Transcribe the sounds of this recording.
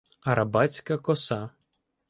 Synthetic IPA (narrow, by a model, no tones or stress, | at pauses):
ɐɾɐbɑt͡sʲkɐkɔsɑ